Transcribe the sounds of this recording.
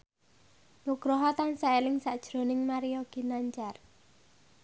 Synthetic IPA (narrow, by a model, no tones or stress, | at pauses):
nuɡ̥ɾɔɦɔt̪ansaelɪŋsaʔd̥ʒ̥ɾo̤nɪŋmaɾijɔɡ̥i̤naɲt͡ʃar